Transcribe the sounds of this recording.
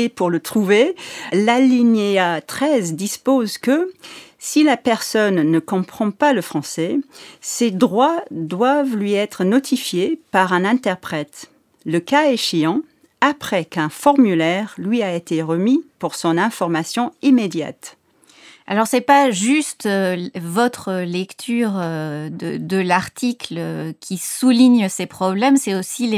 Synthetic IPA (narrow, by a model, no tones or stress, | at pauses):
epuʁlət̪χuvelaliɲeat̪χɛzd̪ispozkəsilapɛʁsɔnːəkɔ̃pχɑ̃paləfχɑ̃sɛsed̪ʁwad̪wavlɥiɛt̪χənɔt̪ʰifjepaʁɛ̃nɛ̃t̪ɛʁpχɛt̪ | ləkaeʃeɑ̃ | apχɛkɛ̃fɔʁmylɛʁlɥiaet̪eʁəmipuʁsɔ̃nɛ̃fɔʁmasjɔ̃imed̪ja̰t̪ | alɔʁsɛpaʒyst̪øvɔt̪χəlɛkt̪ʰyʁød̪əd̪əlaʁt̪ikløkʲʰisuliɲsepχɔblɛmsɛosil